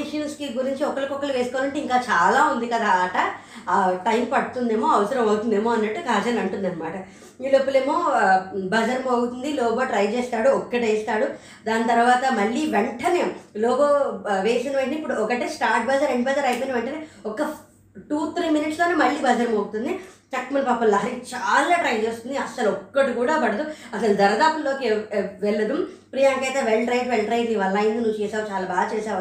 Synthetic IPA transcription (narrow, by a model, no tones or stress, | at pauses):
iʂɐnskiɡuɾiɲt͡ʃiɔkːɐɭlɐkɔkːɐluʋeːsikoʋanɐɳʈiŋkaːt͡ʃaːlaːund̪ikɐd̪aːʈɐ | ʈɐjmpɐɽut̪und̪eːmoːɐʋɐsɐɾɐmɐwut̪und̪eːmoːɐnːɐʈːukaːd͡ʒɐlɐɳʈund̪ɐnːɐmaːʈɐ | iːɭːoipːuɭeːmoːbɐd͡ʒɐɾmoːɡut̪und̪ilɔːboːʈɾɐjt͡ʃeːst̪aːɽuɔkːɐʈeːst̪aːɽu | d̪aːnt̪ɐɾuʋaːt̪ɐmɐɭːiːʋeɳʈɐneːmloːboːʋeːjsɐnɐʋɐʈnipːuɽuɔkɐʈeːsʈaːɾʈ̚bɐd͡ʒɐɾeɳɖbɐd͡ʒɐɾɐjpoːneʋɛɳʈɐneːɔkːɐ | ʈuːt̪ʰɾiːminiʈsloːneːmɐɭːiːbɐd͡ʒɐɾmoːɡut̪und̪it͡ʃɐkmɐlpaːpɐllaːɦɐɾikit͡ʃaːlaːʈɾɐjd͡ʒeːst̪und̪iɐsɐlɔkːɐʈikuːɽaːpɐɽɐd̪uɐsɐlud̪ɐɾɐd̪aːpulːo̞ːkeʋɛɭːɐd̪um | pɾijaːŋkɐjt̪eːʋelɖɾɐjʈʋɛɭɖɾɐjʈiʋɐlːɐːjind̪inuʋːut͡ʃɛːsaːɾut͡ʃaːlaːbaːɡɐt͡ʃɛːsaːɾ